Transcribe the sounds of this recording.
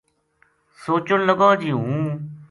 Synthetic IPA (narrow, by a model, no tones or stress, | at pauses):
soːt͡ʃʊnləɡɔːd͡ʒiːɦũː